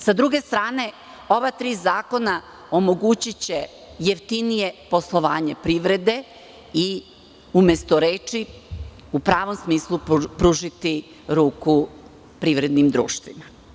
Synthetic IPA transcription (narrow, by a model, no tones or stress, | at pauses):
sad̪ɾuɡe̞st̪ɾaːne̞ | o̞ʋat̪ɾiːzaːko̞na | o̞mo̞ɡut͡ɕit͡ɕe̞ | jeft̪inije̞po̞slˠo̞ʋaːɲe̞pɾiʋɾe̞d̪e̞ | i | umest̪oɾeːt͡ʃi | upɾaːʋo̞msmiːslˠupɾuːʒit̪i | ɾuːku | pɾiʋɾe̞d̪nimd̪ɾṵːʃt̪ʋima